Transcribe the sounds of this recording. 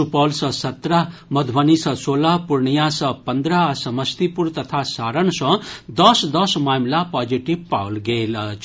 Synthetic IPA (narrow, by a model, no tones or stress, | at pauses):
upʌlsʌ̃sʌt̪ɾamʌd̪ʱbʌnisʌ̃solapuɾɳijãsʌpʌnd̪ɾasʌmʌst̪ipuɾt̪ʌt̪ʰasaɾʌnsʌ̃d̪ʌsd̪ʌsmamlapad͡ziʈibpawlɡelʰ